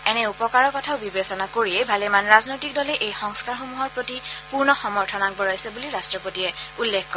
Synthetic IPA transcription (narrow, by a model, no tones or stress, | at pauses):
ɛnɛupɔkaɹɔkɔtʰaʊbibesɔnakoɹiɛbʱalɛmanɹaznojtik̚dɔlɛʔejxɔŋskaɹxumuɦɔɹpɹotipuɹnɔxɔmɔɹtʰɔnak̚bɔɹajsɛbuliɹastɹɔpotiɛulːekʰkːɔ